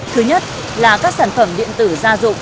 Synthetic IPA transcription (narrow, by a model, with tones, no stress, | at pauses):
t̪ʰɨ˨˦ɲə˦˥t̚ | laː˨˩kaː˦˥k̚saː˧˩nfə˧˩mɗḭ˧˨ənt̪ɨ˧˩zaː˧zʊ̰˧˨ŋ͡m